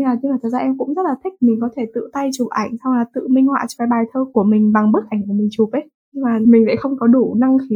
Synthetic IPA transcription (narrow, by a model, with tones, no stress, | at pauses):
ŋaː˨˩t̪i˧laː˨˩t̪ə˨˩zaː˧ʔɛ˧mkʊ̰˧˥ŋ͡mzə˦˥t̚laː˨˩t̪ʰï˦˥k̚mï˨˩ŋ̟k̬ɔ˨˦t̪ʰe˧˩t̪ɨ̰˧˨t̪a˧jt͡ɕu˨˩p̚ʔa˧˩jŋ̟sa˧wlaː˨˩t̪ɨ̰˧˨mï˧ŋ̟hwa̰ː˧˨t͡ɕɔ˧˩faː˨˦jɓaː˨˩jt̪ʰəː˧ku˧˩əmï˨˩ŋ̟ɓa˨˩ŋɓɨ˦˥k̚ʔa˧˩jŋ̟ʔə˧˩mï˨˩ŋ̟t͡ɕu˨˩p̚ʔə˨˦ | ɲ˧ŋmaː˨˩mï˨˩ŋ̟və̰˧˥jxə˧wŋ͡mkɔ˨˦ɗu˧˩na˧ŋxi˨˦